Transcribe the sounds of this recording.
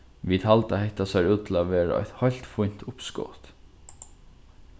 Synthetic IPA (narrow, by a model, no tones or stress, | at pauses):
ʋiːt̪halt̪ahɛht̪asaɾuːt̪ʰɪl̩æʋeːɾa̰ɔ̰jt̪hɔjl̥t̪fʊjn̥t̪ʊpsko̰t̪